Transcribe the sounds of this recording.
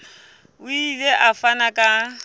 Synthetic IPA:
ʊileʔafanakʼa

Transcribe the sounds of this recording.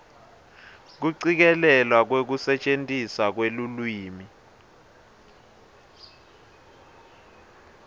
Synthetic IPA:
k̬uǀik̬ɛlɛlwak̬wek̬usɛt͡ʃʼentʼisak̬welulwiːmi

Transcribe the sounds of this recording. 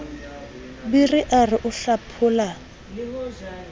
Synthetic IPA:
birɪʔarɪʔʊɬapʰʊːla

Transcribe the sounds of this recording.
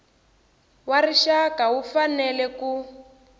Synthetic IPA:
wariʃakawufanɛlɛku

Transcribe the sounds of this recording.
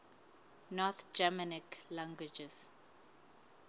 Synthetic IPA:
nɔt̪d͡ʒamaniklãŋɡwid͡ʒɛs

